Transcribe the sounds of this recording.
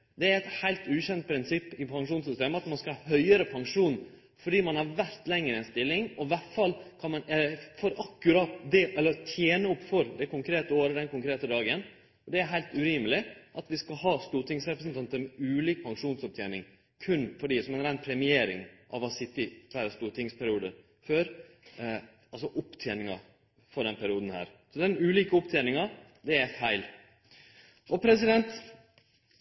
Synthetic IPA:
d̪ɛæɾɛt̪hæɪlt̪ʉːçɛnt̪̚pʰɾɪnsɪpːɪpʰɑŋʂuːnsʏst̪eːməɑt̪mɑnskɑlɑːhœʏəɾəpʰɑŋʂuːn | fɔɖiːmɑnhɑɾʋæɾt̪lɛŋːɾəɛnst̪ɪlːɪŋɔʋæʈfɑlkʰɑnmɑnɛəfɔɾɑkːʉɾɑːt̪d̪ɛʔɛlːəɾt̪ʰjeːnəɔpːfɔɾd̪ɛkʰʊŋkʰɾeːt̪əoːɾəd̪ɛnkʊŋkʰɾeːt̪əd̪ɑːɡən | ɔd̪ɛæɾɦæɪlt̪ʉɾiːməlɪʔɑt̪ʋɪskɑɦɑːst̪uːʈ̪ɪŋsɾɛpɾəsənt̪ɑnt̪əɾmɛʉːliːk̚pʰɑŋʂuːnsɔp̚t̪ʰjeːnɪŋ | kʰʉnːfɔɖiːsɔmɛnɾæɪnpʰɾɛmɪeːɾɪ̰ŋʔɑ̰ʋɑsɪt̪ːɪʋæɾəst̪uːʈ̪ɪŋspʰæɾɪuːd̪ə | føːɾ | ɑlsɔʔʊpt̪ʰjeːnɪŋɑ | fɔɖɛnpʰæɾɪuːd̪n̩hæ̰ːɾsɔd̪ɛnʉːliːkəʊpt̪ʰeːnɪŋɑ | d̪ɛæfæɪl | ʔɔpʰɾɛsɪd̪ɛnt̪

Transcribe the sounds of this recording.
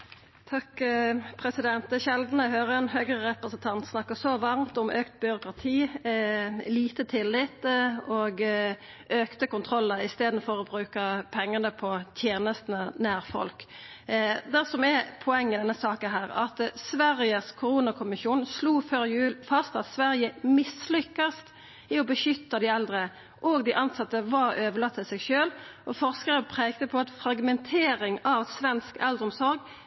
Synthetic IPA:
t̪ʰɑkpʰɾɛsɪd̪ɛnt̪̚d̪ɛʃɛld̪n̩əhøːɾəɛnɦøːɡʁəʁɛpɾəsənt̪ʰɑnt̪snɑkːəsɔʋɑʁmt̪ɔmʔøːkt̪̚bʏɾʊkʁɑt̪ʰiː | liːt̪ət̪ʰɪlːɪt̪oɡ | ʔøːkt̪əkʊnt̪ʰʁɔlːəɾɪst̪eːd̪n̩fɔɾɔbɾʉːkəpʰɛŋːɑnəpʰɔt̪ʰjeːnəst̪nənæːʁfɔ̰lk | d̪æsɔmɛpʰɔɛŋːɪd̪ɛnːəsɑːkənɦæːɾɑ̰t̪sʋæɾɪəskʰʊɾuːnɑkʰʊmɪʃuːnsluːføːɾjʉːlfɑst̪ɑt̪sʋæɾɪəmɪslʏkːɑst̪ | ɪɔbəʃʏt̪ːɑd̪ɪɛld̪ɾə | ʔoɡd̪ɪʔɑnsɑt̪ːəʋɑɾøːʋəlɑt̪ʰːɪlsɛɡʃøːlʔɔfɔʁskəɾəpʰʁeːɡt̪əpʰɔɑt̪fɾɑɡmɛnt̪ʰeːɾɪŋɑʋsʋɛnskɛld̪ʁɔmsɔɾɡ

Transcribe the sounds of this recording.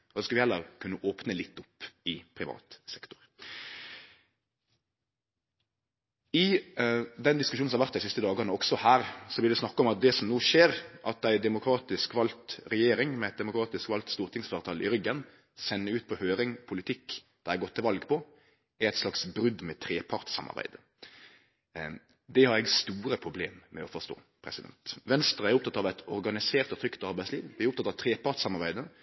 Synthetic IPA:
ɔsɔskɑʋɪhɛlːəɾkʰʉnːəʔoːpnəlɪt̪ːʊpːɪpʰɾɪʋɑ̰ːt̪sɛkt̪ʊ̥ɾ | ɪ | d̪ɛnd̪ɪskʉʃuːns̩mhɑɾʋæʁt̪d̪æɪsɪst̪əd̪ɑːɡənəɔksɔhæːɾsɔblɪʁd̪ɛsnɑkːəɔmɑt̪̚d̪ɛsɔmnuːʃeːɾʔɑt̪æɪd̪ɛmʊkʰɾɑːt̪ɪskʋɑlt̪ɾɛjeːɾɪŋmɛæɪt̪̚d̪ɛmʊkʰɾɑːt̪ɪskʋɑlt̪st̪uːɾt̪ʰɪŋsfɑːɾt̪ʰɑːlʔɪ̰ɾʏɡən | sɛnːəʉːt̪pʰɔhøːɾɪŋpʰʊlɪt̪ʰɪkːd̪̥ɑæɡɔt̪ʰːɪlʋɑlɡpʰɔ | æɾæɪt̪slɑksbɾʉd̪mɛt̪ʰɾeːpʰɑɾʈ̪sɑ̰mɑ̰ɾbæ̰ɪd̪ə | d̪ɛhɑɾɛɡst̪uːɾəpʰɾʊbleːmːɛ̰ɔfɔst̪o̰ː | pʰɾɛ̰sɪd̪ɛ̰nt̪ʋɛnst̪ɾəæɾʊp̚t̪ʰɑt̪ːɑʋæɪt̪ʰɔɾɡɑnɪseːɾt̪ɔt̪ʰɾʏkt̪ɑɾbæɪsliːʋʋɪæɾʊpt̪ʰɑt̪ːɑʋt̪ʰɾeːpɑɾʈ̪sɑmɑɾbæɪd̪ə

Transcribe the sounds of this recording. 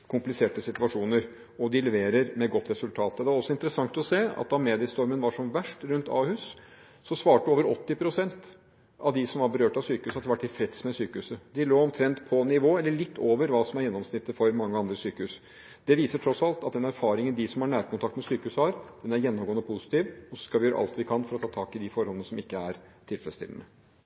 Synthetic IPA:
kʰʊmplɪseːʈəsɪt̪ʉʋɑʂuːnəɾ | ɔd̪ɪlɛʋeːɾəɾmɛɡɔt̪ːɾɛsʉlt̪ʰɑːt̪ɔd̪ɛæɾɔsːɔɪnt̪əɾəsɑŋt̪ɔseːɑ̰t̪̚d̪ɑmeːd̪ɪst̪ɔɾmənʋɑʂɔmʋæʂʈɾʉnt̪ʰɑ̰ːhʉːsː | ɔsʋɑːʈəoːʋəɾɔt̪ːɪpʰɾʊsɛnt̪ | ɑʋd̪ɪsɔmʋɑɾbəɾøːʈɑʋsyːkəʉshɑt̪ʰːʋæʈːɪfɾɛt̪smɛsyːkəʉsəd̪ɪloːɔmt̪ʰɾɛnt̪pʰɔnɪʋoːɛlːəɭɪt̪ːoːʋəɾʋɑːsɔmæɾjɛnːɔmsnɪt̪ːəfɔɾmɑŋːəɑnd̪ɾəsyːkəʉs | d̪ɛʋiːsəʈʰɾɔsɑlt̪ɑt̪̚d̪ɛnæɾfɑːɾɪŋənd̪ɪsɔmhɑɳæːɾkʊnt̪ɑkt̪mɛsyːkəʉːsəhɑɾd̪̥ɛnæɾjɛnːɔmɡoːənəpʰʊsɪ̥t̪iːʋɔsɔ̥skɑʋɪjøːɾə̰ʔɑ̰lt̪ʋɪkʰɑnfɔɾɔt̪ʰɑːt̪ʰɑːkɪd̪ɪfɔɾɔlənəsɔmɪkːəæɾt̪ʰɪlfɾɛst̪ɪ̰lnə

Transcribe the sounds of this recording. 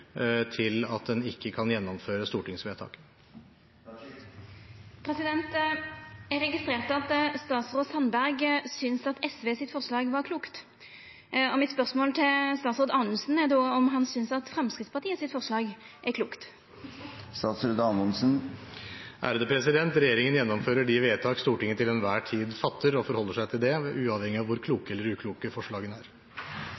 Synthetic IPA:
t̪ʰɪlɑt̪̚d̪ɛnɪkːəkʰɑnjɛnːɔmføːɾəst̪uːʈɪŋsʋeːt̪ʰɑ̰ːk | pʰɾɛsɪd̪ɛnt̪ | æɾɛɡɪst̪ʁeːʁt̪ɑt̪st̪ɑːt̪sʁoːsɑnbæɾɡsʏnsɑt̪ʰɛsʋeːsɪt̪fɔʁslɑːɡʋɑʁkʰluːkt̪ | ɔmɪt̪spœʁsmoːlt̪ʰɪlst̪ɑːt̪sʁoːd̪ɑːnəsn̩æʁd̪oːɔmɦɑnsʏnsɑt̪fɾɛmskɾɪt̪spɑʁt̪iːəsɪt̪fɔʁʂlɑːɡ | ʔækʰluːkt̪ | st̪ɑːt̪sɾʉːd̪ɑnənsn̩ | ʔæ̰ːɾəd̪əpʰɾɛsɪd̪ɛnt̪ɾɛjeːɾɪŋənjɛnːɔmføːɾəɖɪʋeːt̪ʰɑːkst̪uːʈɪŋːət̪ɪlɛnʋæːʈʰiːd̪fɑt̪ʰːəɾɔfɔɾhɔlːəʂæɪt̪ʰɪld̪ɛʉːɑːʋhɛŋɪɑʋʊɾkʰluːkəɛlːəɾʉːkʰluːkəfɔʂɭɑːɡənæːɾ

